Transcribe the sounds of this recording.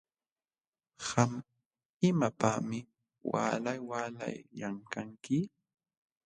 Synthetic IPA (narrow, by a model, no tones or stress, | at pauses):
ham | ɪmapamɪ | wa̰ːlajwaːla̰jːaŋkaŋkɪ